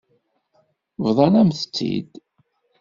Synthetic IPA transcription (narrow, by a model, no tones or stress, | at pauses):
vðˤɑnæmθə̥t͡sːḭd̪